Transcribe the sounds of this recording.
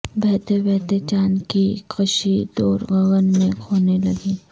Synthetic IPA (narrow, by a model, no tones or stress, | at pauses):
bɛɦt̪ebɛɦt̪et͡ʃaːnkikʰɐʃid̪oːɾɣɐɣənmẽkʰoːnelɐɡiː